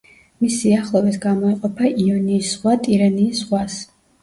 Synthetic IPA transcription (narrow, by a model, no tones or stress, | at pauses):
misiaχlˠɔvɛt̪ʰɡamɔɛqʼɔpʰaʔiɔniːsʁwat̪ʼiɾaniːsʁwas